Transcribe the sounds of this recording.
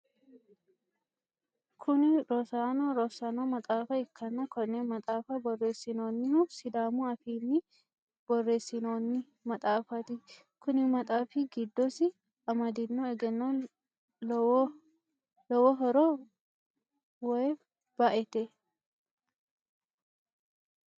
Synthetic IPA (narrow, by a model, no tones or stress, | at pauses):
kʰʊnɪɾɔsaːnoɾɔsaːnoːmɐt̪ʼaːfɐɪkʰːɐnːɐkɔneːmɐt̪ʼaːfɐbɔrːe̞ːsːɪnoːnːɪhusɪd̪aːmuɐfiːnːɪ | b̥ɔrːe̞ːsːɪnoːnːɪ | mɐt̪ʼaːfɐt̪ɪ | kʊnɪmɐt̪ʼaːfɪɡɪd̪ːɔsɪ | ɐmɐd̪ɪnːoɛɡɛnːo | lɔwɔɦɔɾo | wɔjɛ | b̥ɐʔɛt̪ɛ